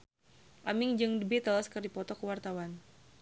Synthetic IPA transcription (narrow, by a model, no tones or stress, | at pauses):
ʔamɪŋd͡ʒɨŋdəbit̪əlaskərdipɔt̪ɔkəwart̪awan